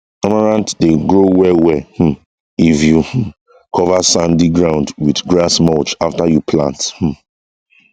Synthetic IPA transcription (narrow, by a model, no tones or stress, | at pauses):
ɔmaɹãntdeɡɹowɛwɛh̩ | ifjuh | kʰɔvasãndiɡɹãʊ̃ndwidɡɹasmɔt͡ʃaftajupʰlã̰nth̩